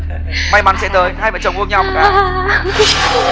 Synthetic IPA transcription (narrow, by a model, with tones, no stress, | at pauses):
ma˨˧˩jma̰˧˩nsɛ̰˧˥t̪əː˨˩jhaː˧jvə̰˧˨˩t͡ɕə˨˩wŋ͡mʔɨ˧əŋɲa˧wm˨˩kaː˧˦